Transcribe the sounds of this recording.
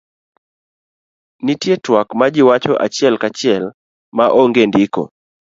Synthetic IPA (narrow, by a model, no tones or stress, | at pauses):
nitjetwakmad͡ʒɪwat͡ʃɔʔa̰t͡ʃɛlkat͡ʃɪɛl | maʔɔŋɡendɪkɔ̰